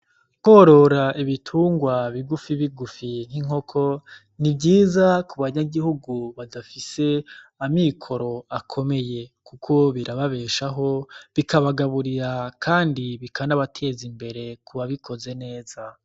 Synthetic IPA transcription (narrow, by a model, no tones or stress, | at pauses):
ho̞ɾo̞ɾaʔiβitʰuːŋɡwaβiɡufiβiɡufin̥hiŋo̞kʰo̞ | nibɟiːzakuβaɲaɡihuɡuβadafise̞amikʰo̞ɾo̞akʰo̞me̞je̞kukʰo̞βiɾaβaβe̞ːʃaɦo̞βikʰaβaɡaβuɾiɾakʰaːndiβikʰanaβatʰe̞zimbe̞ɾe̞kuβaβikʰo̞ze̞ne̞ːz̥a